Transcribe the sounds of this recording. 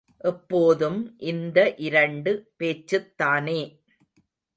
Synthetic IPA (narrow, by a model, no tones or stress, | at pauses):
ʔɛpːoːðɯmʔɪnd̪ɐʔɪɾɐɳɖɯpeːt͡ʃːɯt̪ːaːneː